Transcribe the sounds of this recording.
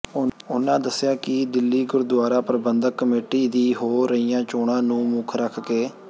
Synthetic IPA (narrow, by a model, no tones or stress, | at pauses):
ʊnãːd̪əsːɪjaːkɪd̪ɪlːiːɡʊɾd̪ʊaːɾaːpəɾbənd̪əkːəmeːʈiːd̪iːɦoːɾəiːjãːt͡ʃoːɽãːnũːmʊkʰɾəkʰkeː